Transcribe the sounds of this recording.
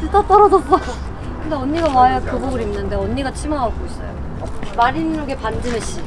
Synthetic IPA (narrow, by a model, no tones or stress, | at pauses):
tɯt͈at͈ʌɾʌd͡ʑʌsʰʌjo | kɯndeʌɲːiɡawajʌkɯboɡɯɾimnɯnde̞ʌɲːiɡat͡ɕʰimaaɡois͈ʌ̰jo̰ | maɾinɾoɡe̞pand͡ʑɯmeɕ͈i